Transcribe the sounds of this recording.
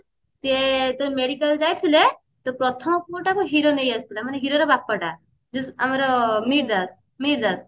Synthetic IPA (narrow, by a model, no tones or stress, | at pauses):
t̪et̪ɔɾmeɽikald͡ʒajt̪ʰile | t̪ɔpɾɔt̪ʰɔmɔpuɾʈakɔɦiɾonejasp̪ilamaneɦiɾoɾebapːaʈa | d͡ʒusamaɾɔmiɾd̪as | miɾd̪as